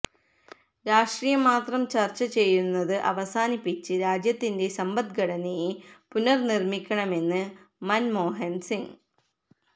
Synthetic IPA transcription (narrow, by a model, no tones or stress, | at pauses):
ɾaːʂʈriːjɐmaːt̪rɐmt͡ɕɐrt͡ɕːɐt͡ɕe̞jːunːɐðɨʔɐʋɐsaːnipːit͡ɕːɨɾaːd͡ʑjɐt̪ːinde̞sɐmbɐt̪̚ɡɐɽɐnijepunɐrnirmikʲːɐɳɐme̞nːɨ | mɐnmoːɦɐnsiŋ